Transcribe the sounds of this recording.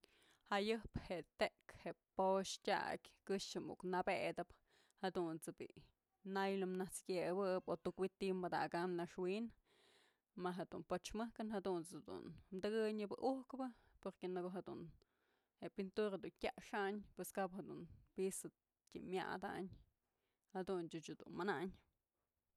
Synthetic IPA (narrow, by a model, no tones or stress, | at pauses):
hajɨhpheʔt̪eʔkheʔpoʂtʲa̰kʲkɨʂt͡ʃɨmṵknabed̪ɨp | had̪unt͡sɨbḭʔ | najlɨmnaht͡skʲebɨbot̪ukwit̪imbad̪a̰ɡamnaʂwin | maɦed̪unpot͡ʃmɨhkɨnhad̪unt͡sɨd̪ṵnmd̪ɨɡɨɲɨbɨʔuhkbɨ | poɾkenɨkoɦed̪un | heʔpint̪uɾad̪untʲaʔʂaɲpweskaphed̪unbisɨ | t̪ʲḭmja̰d̪a̰ɲ | had̪unt͡ʃut͡ʃud̪ṵnmanaʔɲ